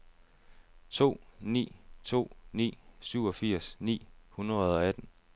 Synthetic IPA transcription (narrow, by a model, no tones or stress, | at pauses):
t͡sʰo̝̰ːnḭːt͡sʰo̝̰ːnḭːsyʊ̰ɒ̽fiɐ̰snḭːhunʁɐð̩ˠɒ̽æd̥n̩